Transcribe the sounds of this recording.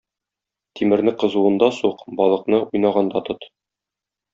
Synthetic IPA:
t̪imɘ̆ɾnɘqɤ̆zuɤ̆nd̪ɑsuqbɒlˠɤ̆qnɤujnɑʁɑnd̪ɑt̪ot̪

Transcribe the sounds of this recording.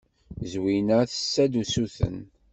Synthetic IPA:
zwinəθə̥sːæd̪usuθə̰n

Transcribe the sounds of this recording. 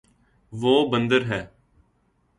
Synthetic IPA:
ʋoːbənd̪əɾɦɛː

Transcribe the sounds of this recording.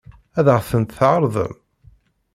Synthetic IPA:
æðʁθənt̪θʕəɾˤðˤə̰m

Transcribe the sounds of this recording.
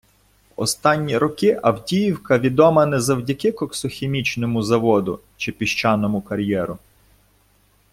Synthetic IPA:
ɔ̰st̪ɑnʲːiɾɔkɪʔɐwdʲijiwkɐʋʲid̪ɔmɐnɛzɐwdʲɐkɪkɔksɔxʲemʲit͡ʃnɔmʊzɐʋɔd̪ʊ̰ | t͡ʃɪpʲiʃt͡ʃɑnɔmʊkɐɾʲjɛɾʊ

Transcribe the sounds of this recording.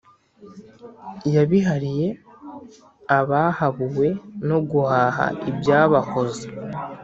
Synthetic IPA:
jaβiɦaɾije̞ | aβahaβuwe̞no̞ɡuhaːha̰ibjaːβako̞ze

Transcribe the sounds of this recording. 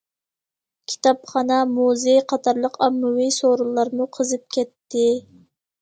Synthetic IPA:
kʲʰi̥t̪ʰɑpχɑnɑmuzeqʰɑt̪ʰɑɾlˠəqɑmːɨwisoɾulˠːɑɾmuqʰəzɨp̚kʲʰɛt̪ːɪ

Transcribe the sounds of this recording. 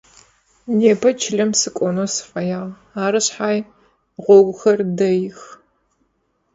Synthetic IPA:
neːpʰɐt͡ʃʰɪɮɐmsɨkʷʼɔnosɨ̥fʼɐjaːʁ | aːɾɨɕħaːj | ʁʷɔɡʷʊxɐrdɐjɪx

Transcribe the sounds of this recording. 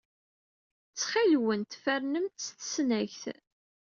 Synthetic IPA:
t͡sːχilwənt̪fæɾnəmt̪sθsnæçθ

